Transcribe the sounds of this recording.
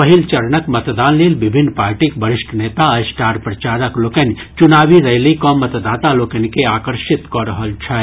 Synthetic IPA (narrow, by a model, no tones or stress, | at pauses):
pɐɦilt͡ʃɐɾɳəkmɐt̪d̪aːnliːlbɪbʱɪnːpaːɾʈikbəɾɪʃʈʰneːt̪aɐsʈaːɾpɾɐt͡ʃaːɾəkloːkənt͡ʃʊnaːʋiɾɐjlikɔːmːɐt̪d̪aːt̪aloːkənkeaːkəɾʃɪt̪kɔɾəɦəlt͡ʃʰɛ